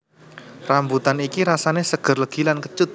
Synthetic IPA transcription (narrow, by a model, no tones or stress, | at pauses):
rambut̪anikiɾasanesəɡ̥ə̤rləɡ̥ilankət͡ʃʊt̪̚